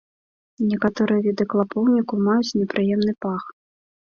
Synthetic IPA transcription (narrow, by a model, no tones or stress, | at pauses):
nʲɛkat̪ɔɾɨjɐvʲid̪ɨklˠapɔwnʲikumajut͡sʲnʲɛpɾʔɨjɛmnɨpax